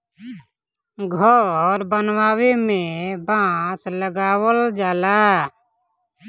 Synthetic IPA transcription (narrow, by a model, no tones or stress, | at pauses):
ɡʱɔɾbənwaːwemẽbãːsləɡaːwəld͡ʒaːlaː